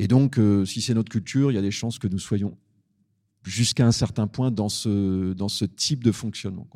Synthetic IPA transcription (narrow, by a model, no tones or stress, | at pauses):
ed̪ɔ̃køsisɛnɔt̪χəkʲylt̪ʰyːʁiljad̪eʃɑ̃skənuswajɔ̃ | ʒyskaɛ̃sɛʁt̪ɛ̃pwɛ̃d̪ɑ̃səd̪ɑ̃sət̪ʰip̚d̪əfɔ̃ksjɔnmɑ̰̃kwa